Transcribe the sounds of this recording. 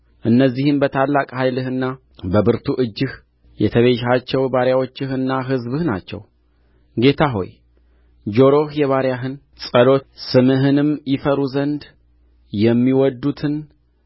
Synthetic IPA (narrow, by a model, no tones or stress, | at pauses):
ʔɨnːəzːihɨmbət̪ʰalːakʼhajlɨhɨnːa | bəbɨɾt̪ʰuʔɨd͡ʒːɪh | jɛ̰t̪ʰəβe̞ʃat͡ʃːɛwbaɾjawot͡ʃːɪɦɨnːaɦɨzbɨhna̰t͡ʃːɛ̰w | ɡe̞t̪ʰaɦo̞̰j | d͡ʒo̞ɾo̞hjɛβaɾjaɦɨn | sʼəlo̞t̪sɨmɨɦɨnɨmjɪfəɾuzənd̪ | jɛmːiwɔd̪ːut̪ʰɨn